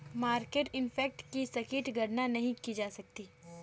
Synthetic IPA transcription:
maːɾkeːʈɪnpʰɛːk̚ʈkisɐkiːʈɡʱɐɽnanɐɦĩkid͡ʒaːsɐk̚t̪iː

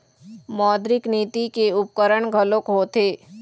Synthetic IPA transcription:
mɔːd̪ɾɪkniːt̪ikeʊp̚kəɾəɽɡʱəlokɦoːt̪ʰeː

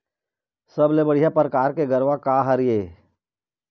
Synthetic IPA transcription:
sɐblebəɽ̤ijapɾəkaːɾkeɡəɾʋakaɦəɾijeː

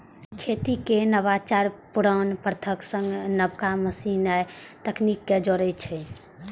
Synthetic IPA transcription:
kʰet̪ikenəβat͡ʃaɾpuɾanpɾət̪ʰəksəŋɡnəbkaməsinajt̪əknikːed͡ʒoɾɛt͡ʃʰɛ

